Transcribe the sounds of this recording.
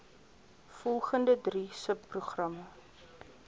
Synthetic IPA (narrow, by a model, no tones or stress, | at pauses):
fɔlˠχəndədrisəpːruχrɐmə